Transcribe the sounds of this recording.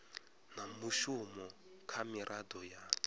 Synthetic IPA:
namuʃumɔ | kʰamiɾʔadɔja

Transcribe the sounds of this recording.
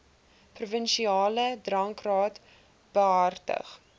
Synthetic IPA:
prufənʃiɑːlədrɐŋkrɑːt | b̥əɦɐrtə̰χ

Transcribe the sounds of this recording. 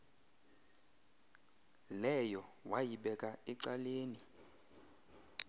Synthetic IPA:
lɛjɔwajiɓɛkʼaɛǀaleːni

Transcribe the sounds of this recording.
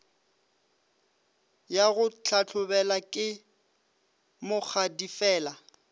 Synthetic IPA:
jaɣʊt͡ɬʰat͡ɬʰʊbɛlakʼɪ | mʊk͡xʰadifɛːla

